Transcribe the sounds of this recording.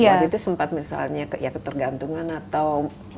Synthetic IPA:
aɡit̪usəmpat̪̚misa̰lɲakəjakət̪ərɡant̪uŋanat̪aw

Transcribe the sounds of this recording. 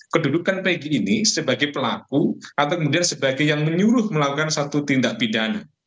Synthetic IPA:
kədudukanpeɡiːnisəbaɡajpəlakuat̪awkəmudiansəbaɡajːaŋməɲuɾʊhməlakukansat̪ut̪indaʔpidana

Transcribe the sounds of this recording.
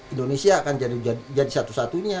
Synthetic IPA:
indonesiakand͡ʒadid͡ʒad͡ʒadisat̪usat̪uɲa

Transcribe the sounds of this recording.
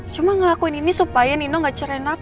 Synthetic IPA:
t͡ʃumaŋəlakuininisupajaninɔŋɡat͡ʃəɾɛna

